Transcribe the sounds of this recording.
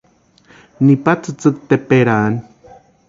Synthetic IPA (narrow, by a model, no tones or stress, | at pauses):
nipat͡sɨt͡sɨk̚t̪epeɾan